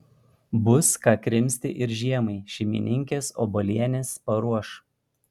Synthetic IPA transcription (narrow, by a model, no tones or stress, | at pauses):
bʊskɑːkɾʲɪmʲsʲt̪ʲɪ̰ʔɪɾʒʲiɛmɐɪʃʲɛmʲɪ̰nʲɪŋʲkʲeːso̰ːbɔlʲiɛnʲeːspɐɾuɔʃ